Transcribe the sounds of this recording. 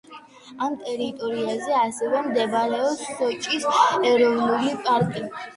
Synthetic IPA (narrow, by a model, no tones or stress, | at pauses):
amt̪ʼɛɾit̪ʼɔɾiazɛasɛvɛmd̪ɛbaɾɛɔpsχɔt͡ʃʼisɛɾɔvnulipʼaɾkʼi